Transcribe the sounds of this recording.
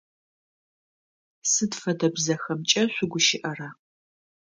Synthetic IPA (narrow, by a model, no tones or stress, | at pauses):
sɨdfɐdɐbzɐxɐmt͡ʃʼɐɕʷʊɡʷʊʃɪʔɐraː